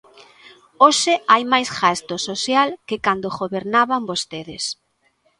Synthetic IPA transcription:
oʃɪajmajsɣast̪ososjalkɪkand̪oɣoβeɾnaβambost̪eðɪs

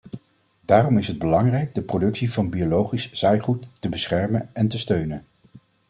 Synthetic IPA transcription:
daːrɔmɪsɦəd̚bəlɑŋrɛjɡ̚dəprodɵksivɑnbiolowχisz̥ɛjχutːəbəsχɛɹmənɛntəstøɥnən

